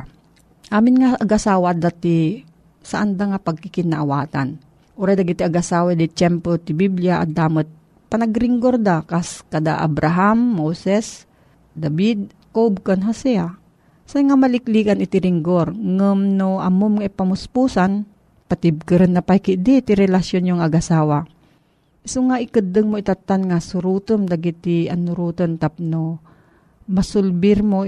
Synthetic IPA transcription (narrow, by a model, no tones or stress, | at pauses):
ʔaːmɪnŋaʔɐɡʔasaːwad̪at̪i | saʔand̪aŋapaɡ̚kikɪnaʔawaːt̪a̰n | ʔʊɾajd̪aɡɪt̪ɪaɡʔɐsaːwad̪ɪt͡ʃɛmpɾot̪ɪbibljaʔa̰d̪aːmɐt̪̚ | panaɡɾɪŋɡoɾd̪akaskɐd̪a̰ʔa̰bɾaɦamːowsɛs | d̪abid̪̚ | kob̚konɦasɛa | saŋamalɪklikanɪt̪ɪɾɪŋɡoɾŋəmnoɐmomŋaipamʊspusan | pat̪ɪb̚kɨɾənːapajkɪʔd̪it̪iɾɛlasjonjoŋɐɡasaːwa | ʔɪsʊŋaʔɪkɨd̪əŋmoit̪at̪ːanŋasʊɾuːt̪əmd̪aɡit̪ɪanːʊɾuːt̪ont̪ap̚no | masʊlbɪɾmo